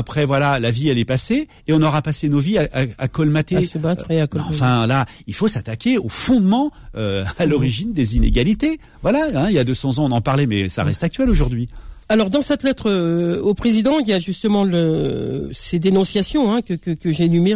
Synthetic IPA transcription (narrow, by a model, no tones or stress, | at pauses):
apχɛvwalalaviɛlɛpaseː | ɔ̃nɔʁapasenoviaʔaa̰kɔlmat̪esəbat̪χeakɔɑ̃fɛ̃lailfosat̪akʲeofɔ̃d̪mɑ̃øalɔʁiʒind̪ezinḛɡʲalit̪e | vwalaɛ̃iljad̪øsɑ̃zɑ̃ɔ̃nɑ̃paʁlɛmɛ̰sa̰ʁɛst̪ak̚t̪ɥɛloʒuʁd̪ɥialɔʁd̪ɑ̃sɛt̪lɛt̪χøopχezid̪ɑ̃iljaʒyst̪əmɑ̃lø | sed̪enɔ̃sjasjɔ̃ɛ̃kəkəkəʒenyme